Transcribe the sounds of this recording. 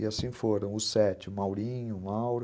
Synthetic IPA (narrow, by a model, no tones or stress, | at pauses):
ɪasĩfoɾɐ̃w̃ʊsɛt͡ʃɪʊmawɾĩɲʊmawɾ